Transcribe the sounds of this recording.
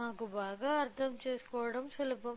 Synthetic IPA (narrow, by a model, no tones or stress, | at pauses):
naːkubaːɡaːɐɾt̪ʰɐmt͡ʃeːsu̥kɔːʋɐɽɐmsɐlɐpɐm